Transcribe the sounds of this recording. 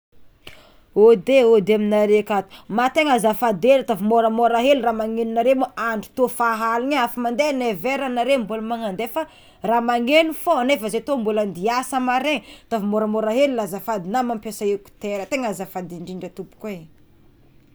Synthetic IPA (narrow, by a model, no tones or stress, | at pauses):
od̪eod̪eaminaɾekat̪u̥mat̪eŋazafad̪enat̪avumoɾəmoɾaɦelramaŋeninaɾemoʔaɳɖ͡ʐu̥t̪ofaɦalinaafamand̪eneveɾanaɾembuləmaŋand̪efa | raːmaŋenufonefəzet̪ombuland̪iasəmaɾeŋt̪ovimoɾəmoɾaɦelulazafad̪inamampesaeku̥t̪eɾət̪eŋazafad̪iɳɖ͡ʐiɳɖ͡ʐət̪upu̥koe